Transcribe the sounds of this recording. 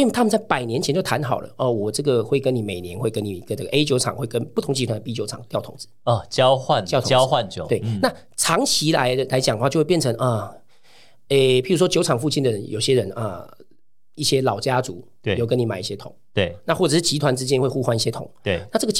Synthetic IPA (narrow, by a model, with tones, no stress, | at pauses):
t̪ʰa˥mə˨t͡sa˥˩ɪpa˨˩ɪnjɛ˧˦nt͡ɕʰɛ˧˦nt͡ɕjo˥˩ʊt̪ʰa˧˥nxɑ̰˨˩ʊlə̰˦ʔə˧˩wɔ˨˩ʈ͡ʂɤ˥˩ɡə˨˩xwe˥˩ɪkə˦˥ni˨˩me˨˩ɪnjɛ˧˦nxwe˥˩ɪkə˥ni˨˩i˧ɡə˧˩nə˥˩ɡə˩ʔe˥ɪt͡ɕjo˧ʊɑ̰˨˩ŋxwe˥ɪkə˦˥npu˥t̪ʰʊ˧˥ŋt͡ɕi˧˥t̪ʰwa˧nd̪ə˧pi˥t͡ɕjo˧ʊɑ˨˩ŋt̪jʊt̪ʰʊ̰˨˧˦ŋd͡zɹ̩˧˦ɔ˨˩t͡ɕjɑ˦ʊxwa˥˨njt̪ʰjɑ˥˦ʊxwa˥˨njt̪we˥˩ɪna˥˨ | ʈ͡ʂʰɑ˧˥ŋt͡ɕʰi˧˥la˧˦ɪ˧la˧˦ɪt͡ɕjŋwa˥˧jwe˥˧pjɛ˥˨nt͡sʰə˧˦ŋʔə˩ | e˥˧˩pi˨˥ɻu˧˥ʂwɔ˥t͡ɕjo˧˥ʊʈ͡ʂʰɑ˨˩ŋfu˥˧t͡ɕi˥˩nd̪ə˩ə˦njo˨˩ʊɕjɛ˦˥ɻə˧˦nʔə̰˧ | i˥˩ɕjɛ˥lɑ˨˩ʊt͡ɕja˦t͡su˨˥˦ | jo˥ʊk̬ə˦ni˨ma˨˩ɪi˥˩ɕjɛ˥t̪ʰʊ̰˨˩ŋt̪e˥˩na˥˧wɔ˥˩ʈ͡ʂɤ˨˩ʂɻ̩˥˩t͡ɕi˧˥t̪ʰwa˧˦nt͡sɻ̩˥t͡ɕjɛ˦˥nxwe˥˧ɪxu˥˧xwa˥ni˥˩ɕjɛ˦t̪ʰʊ˨˩˦ŋe˧na˥˧ʈ͡ʂɤ˥˩ɡə˩